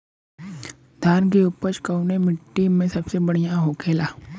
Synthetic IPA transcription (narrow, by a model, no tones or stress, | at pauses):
d̪ʱaːnk̬iʊpət͡ʃkɐʊnemɪʈːimẽsɐbsebɐɽ̤ijãɦoːkʰeːlaː